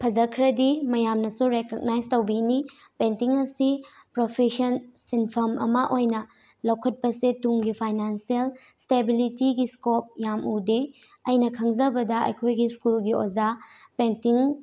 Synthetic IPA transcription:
pʰɐzɐkʰɾɐdimɐjamnɐsuɾekoɡ̚najztowbini | pentiŋɐsi | pɾopʰesɐnsinpʰɐmʔɐ̰mɐʔojnɐ | lɐwkʰɐt̚pɐsetuŋɡipʰajnansielstebilitiɡiskop̚jamude | ɐjnɐkʰɐŋzɐbɐdɐɐ̰jkʰojɡiskulɡiozapentiŋ

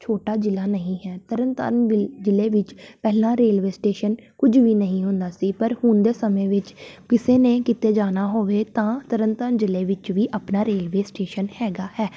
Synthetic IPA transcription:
t͡ʃʰoːʈaːd͡ʒɪlaːnəɦĩːɦɛːt̪əɾənt̪ə̰ːnɪd͡ʒɪleːʋɪt͡ʃpɛːlãːɾeːlʋeːsʈeːʃənkʊd͡ʒʋiːnəɦĩːɦʊ̃nd̪aːsiːpəɾhʊnd̪eːsəmẽːʋɪt͡ʃkɪseːneːkɪt̪eːd͡ʒaːnaːɦoːʋeːt̪ãːt̪əɾənt̪ənd͡ʒɪleːʋɪt͡ʃʋiːʔəpnaːɾeːlʋeːsʈeːʃənhɛːɡaːhɛː

